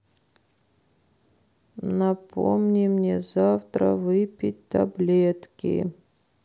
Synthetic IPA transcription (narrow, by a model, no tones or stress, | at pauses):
nɐpʰo̰mnʲɪmnʲezaft̪ɾə̰vɨpʲɪt̚ʲt̪ɐblʲet̪kʲɪ̰